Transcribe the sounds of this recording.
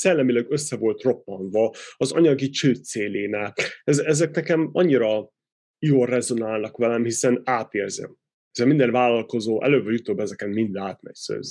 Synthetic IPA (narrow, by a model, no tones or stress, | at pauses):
sɛlːɛmilɛɡøsːɛvo̞lt̪ro̞pːɒnd̪vɒɒzɒ̰ɲɒɡit͡ʃøːt̪seːleːnɛɛzɛzɛknɛkɛmɒɲːiɾɒ | joːlrɛzo̞naːlnɒkʋɛlɛmhisɛnaːt̪eːrzɛ̰m | isɛmind̪ɛnvaːlːɒlko̞zoːʔɛ̰løːvɒjut̪oːbɛzɛkɛnmind̪aːt̪mɛ̰csø̰ːz